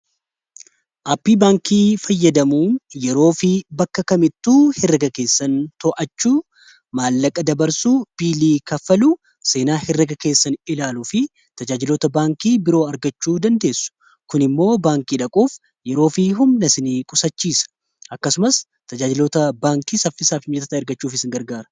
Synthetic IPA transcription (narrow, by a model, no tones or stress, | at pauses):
ʔaːpːiːbaːŋkʰiːfɐjːɐd̪ɐmuːnjɛɾo̞ːfɪbɐkːɐkɐmɪt̪ːuːhɪrːɐɡɐke̞ːsːɐnt̪ɔʔɐt͡ʃːuː | maːlːɐkʼːɐd̪ɐbɐɾsuːb̥iːliːkɐfɐluː | se̞ːnaːhɪrːɐɡɐke̞ːsːɐnɪlaːlufɪ | t̪ɐd͡ʒaːd͡ʒɪloːt̪ɐbaːŋkiːbɪɾo̞ːɐɾɡɐt͡ʃːuːd̪ɐnd̪e̞ːsːʊ̥ | kʊnɪmːo̞ːbaːŋkiːᶑɐkʼuːf | jɛɾo̞ːfiɦʊmnɐsɪniːkʼʊsɐt͡ʃːiːsɐ̥ | ʔɐkːɐsʊmɐs | t̪ɐd͡ʒaːd͡ʒɪloːt̪ɐbaːŋkiːsɐfːɪsaːfɪmd͡ʒɛt̪ɐt̪ɐɪɾɡɐt͡ʃːuːfɪsɪŋɡɐɾɡaːɾɐ